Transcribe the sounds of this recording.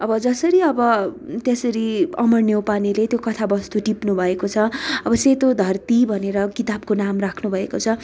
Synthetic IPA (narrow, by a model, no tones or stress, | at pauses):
ʌbʌd͡zʌsʌɾiʌbʌt̪jʌsʌɾiʌmʌrnjewpanilet̪jokʌt̪ʰabʌst̪uʈipnubʱʌekot͡sʰʌʌbʌset̪od̪ʱʌrt̪ibʱʌneɾʌkit̪ab̚konamrakʰnubʱʌekot͡sʰʌ